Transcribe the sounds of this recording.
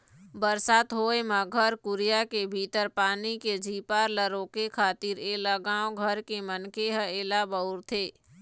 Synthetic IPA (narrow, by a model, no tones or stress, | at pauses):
bəɾsaːt̪ɦoːemãɡʱəɾkʊɾijakebʱiːt̪əɾpaːniked͡ʒʱiːpaːɾləɾoːkekʰaːt̪iɾeːlaɡãːõɡʱəɾkemənkeɦəeːlabəʊɾt̪ʰeː